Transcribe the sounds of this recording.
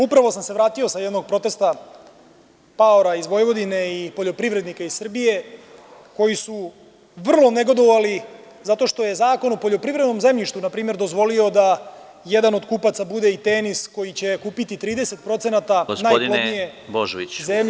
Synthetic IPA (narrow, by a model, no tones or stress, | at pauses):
upɾaʋo̞samse̞ʋɾaːt̪io̞sajed̪no̞ɡ̚pɾo̞t̪e̞st̪a | paoɾaizʋo̞jʋo̞d̪ine̞ipoʎo̞pɾivɾed̪nikaizsr̩bije̞ | ko̞jisu | ʋr̩lˠo̞neɡo̞d̪o̞ʋali | zat̪o̞ʃt̪o̞je̞zaːko̞nopo̞ʎo̞pɾivɾed̪no̞mze̞mʎiʃt̪ʋunapɾiːmeɾd̪o̞zʋo̞lio̞d̪a | jed̪ano̞d̪kuːpat̪sabud̪e̞it̪enisko̞jit͡ɕe̞kuːpit̪it̪ɾiːd̪e̞se̞t̪pɾo̞t̪se̞nat̪aɡosnnaːjd̪lod̪nijeboʒʋḭzem